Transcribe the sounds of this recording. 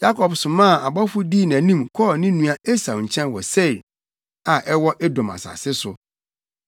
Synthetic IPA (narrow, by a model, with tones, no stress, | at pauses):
ja˦kʰɔ˨bsʊ̃˨mã˦˨a˨bɔ˦fʊ˦diː˦˨næ̃˨nĩ˦mkʰɔː˦˨nɪ̃˦nũ˦a˦e˦sa˨ɲ̩˨t͡ɕʰɛ̃˦n˨wɔ̰˨se˦˨i˨ | a˨ʔɛ˦wɔ˦ʔɛ˦dɔ̃˨ma̰˨sa̰˨sɪ˦sʊ˨